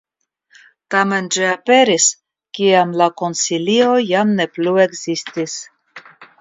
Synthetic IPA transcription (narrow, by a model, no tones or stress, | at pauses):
tame̞nd͡ʒiape̞ɾis | kiamlako̞nsilio̞jamne̞plue̞ɡzistis